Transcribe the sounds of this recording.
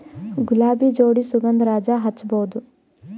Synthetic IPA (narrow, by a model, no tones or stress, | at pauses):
ɡulaːbid͡ʒoːɽisuɡɐnd̪ɾaːd͡ʒaɦɐt͡ʃːbɐud̪u